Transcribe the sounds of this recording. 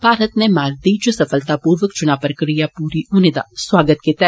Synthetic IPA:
b̥ʱaːɾət̪nemaːɾd̪id͡ʒosɐfəlt̪apuːɾʋəkt͡ʃʊnaːpɾəkɾijapuːɾiʔʊnɪd̪aswaːɡət̪ket̪ɛ

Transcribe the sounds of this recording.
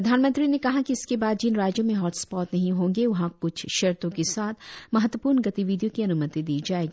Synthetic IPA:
pɾɐd̪ʱaːnmə̃nt̪ɾinekɐɦakiɪskebaːd̪̚d͡ʒiːnɾaːd͡ʒjõmẽɦɔːʈspɔːt̪nɐɦĩɦõːŋɡeʋɐɦãkʊt͡ʃʰʃeɾt̪õkesaːt̪ʰmɐɦət̪wəpuːɾnɡɐt̪iʋiːd̪ijõkiɐnʊmət̪id̪iːd͡ʒaːeːɡiː

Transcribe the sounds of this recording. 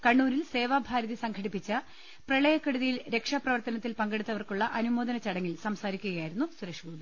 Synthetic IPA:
kɐɳːuːɾilse̞ːʋaːbʱaːɾɐðisɐŋɡʰʱɐɽipːit͡ɕːɐ | prɐɭɐjɐkːɐɽuðijilɾe̞kʂaprɐʋɐrt̪ɐnɐt̪ːilpɐŋɡeɽut̪ːɐʋɐrkuɭːɐʔɐnumoːd̪ɐnɐt͡ɕɐɽɐŋːilsɐmsaːɾikʲːuɣɐjaːjɾunːusuɾɐʂɡuːd̪i

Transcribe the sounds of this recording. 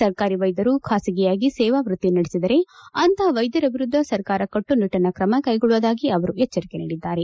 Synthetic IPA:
sɐɾkaːɾiʋɐjd̪ɐɾukʰaːsiɡɛjaːɡisɛːʋaːʋɾut̪ːinɐɽesid̪ɐɾe̞ɐnt̪ʰɐʋɐjd̪ɐɾɐbʱiɾud̪ʱːɐsɐɾkaːɾɐkɐʈːuniʈɐnɐkɾɐmɐkɐjɡɔɭuʋɐd̪aːɡiɐʋɐɾuɛt͡ʃːɐɾike̞nḭːɽid̪ːaːɾe̞

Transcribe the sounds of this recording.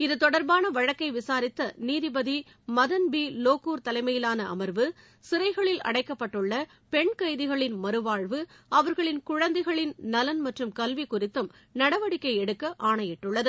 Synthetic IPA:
ɪðɯt̪ɔɽɐɾbaːnɐʋɐɻɐkːɐɪʋɪsaːɾɪt̪ːɐniːðɪbɐði | mɐðɐnbiːloːkuːɾt̪ɐlɐɪmɐjɪlaːnɐɐ̰mɐɾʋɯ | sɪɾɐɪɣɐɭɪlɐ̰ɽɐɪkːɐpːɐʈːɯɭːɐ | pɛɳkɐjðɪɣɐɭɪnmɐɾɯʋaːɻʋɯɐʋɐɾɣɐɭɪnkʊɻɐnd̪ɐɪɣɐɭɪnnɐlɐnmɐʈrɯmkɐlʋikʊrɪt̪ːɯm | nɐɽɐʋɐɽɪkːɐɪɛɽɯkːɐʔaːɳɐjɪʈːɯɭːɐðɯ

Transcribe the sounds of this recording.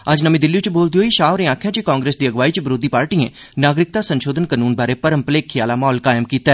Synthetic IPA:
əd͡ʒnəmĩːd̪ɪlːiot͡ʃboːld̪ioːiʃaːʋɾẽːaːkʰjãːt͡ʃekãːŋɡɾeːsd̪iːəɡʋaːiːt͡ʃbɪɾoːd̪iːpaːɾʈiːḛ̃ː | naːɡɾɪk̚t̪aːsənʃoːd̪ənkənuːnbaːɾeːpəɾəmpəleːkʰːɪjaːlamɔːlkaːɪmkiːt̪aɛ

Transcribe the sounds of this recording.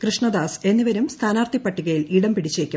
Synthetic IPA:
krɨʂɳɐd̪aːse̞nːiʋɐɾumst̪ʰaːnaːrt̪ipːɐʈːiɣɐjiliːɽɐmpiɽit͡ɕːeːkʲːu

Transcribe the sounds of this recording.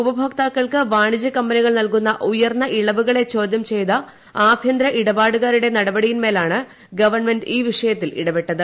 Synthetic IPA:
ubɐbʱɐk̚t̪aːkːɐɭkɨʋaːɳid͡ʑɐkɐmbɐniɣɐɭnɐlkunːɐʔujɐrnːɐʔiɭɐʋuɣɐɭe̞t͡ɕo̞ːd̪ʱjɐmt͡ɕe̞jt̪ɐ | aːbʱjɐnd̪ɾɐʔiɽɐbaːɽuɣaːɾuɽe̞nɐɽɐbɐɽijinme̞ːlaːɳɨ | ɡɐʋɐrnmenɖiːʋiʂɐjɐt̪ːilḭɽɐbe̞ʈːɐðɨ

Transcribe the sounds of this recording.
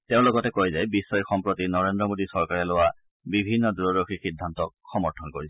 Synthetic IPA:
teʊ̃lɔɡɔtɛkojzajbisːɔixɔmpɹotinɔɹendɹɔmodisɔɹkaɹɛlowa | bibʱinːɔduɹɔɹoxixidʱːantɔk̚xɔmɔɹtʰɔnkoɹisɛ

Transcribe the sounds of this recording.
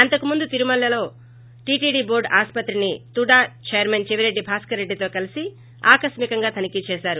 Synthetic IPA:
ɐnt̪ɐkumund̪ut̪iɾumɐlːɐlo̞ː | ʈiːʈiːɖiːbo̞ːɾɖaːspɐt̪ɾinit̪uɽaːt͡ʃejɐɾment͡ʃeʋiɾe̞ɖːibʱaːskɐɾe̞ɖːit̪o̞ːkɐlisi | aːkɐʃmikɐŋɡaːt̪ʰɐnikit͡ʃɛːʃaːɾu

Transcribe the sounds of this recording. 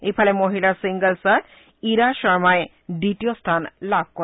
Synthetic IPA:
ejpʰalemoɦilasiŋɡəlsaɾ | iɾaʃɔɹmae | ɖiʈijost̪ʰanlab̚ʱko

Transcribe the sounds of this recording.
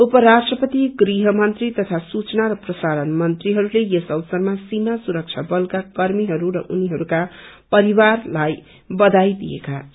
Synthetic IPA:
upʌɾasʈrʌpʌt̪iɡriɦʌmʌnt̪rit̪ʌt̪ʰasut͡snaɾʌprʌsaɾʌnmʌnt̪riɦʌɾulejesʌwsʌrmasimasuɾʌk̚t͡ʃʰabʌlkakʌrmiɦʌɾuɾʌ̰ʔuniɦʌɾuka | pʌɾibarlaj | bʌd̪ajd̪ḭjḛka

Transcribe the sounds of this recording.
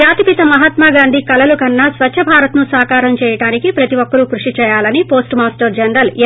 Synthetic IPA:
aːt̪ipit̪ɐmɐɦɐt̪maːɡaːnd̪ʱikɐlɐlukɐnːɐsʋɐt͡ʃːʃʰɐbʱaːɾɐt̪nusaːkaːɾɐmt͡ʃɛːjɐʈaːnikipɾɐt̪iʋɔkːɐɾukɾuʂit͡ʃɛːjaːlɐnipo̞ːsʈmaːsʈɐɾd͡ʒɐɳɾɐl

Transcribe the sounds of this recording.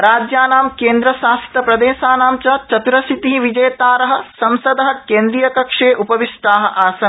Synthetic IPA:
ɾaːd͡ʒjaːnaːmkeːnd̪ɾɐʃaːst̪ɐpɾɐd̪eːʃaːnaːmt͡ʃɐt͡ʃɐt̪uɾɐsit̪iɦiʋid͡ʒɐjt̪aːɾɐɦɐ̆sɐmsɐd̪ɐɦɐ̆keːnd̪ɾijɐkɐkʂeːʔupɐʋiʂʈ̪aːɦɐ̆ʔaːsɐn

